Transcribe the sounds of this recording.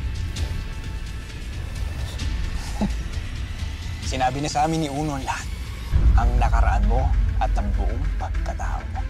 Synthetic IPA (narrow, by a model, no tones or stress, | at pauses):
sɪnaːbɪnɐsɐʔaːmɪnːɪʔuːnoʔnlahat̪̚ | ʔɐŋnɐkɐɾɐʔanmo̞ʔɐt̪ɐŋbʊʔoŋpɐɡ̚kɐt̪a̰ːʔo̰